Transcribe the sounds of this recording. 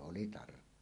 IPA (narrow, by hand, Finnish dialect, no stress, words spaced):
oli tɑrkːoɑ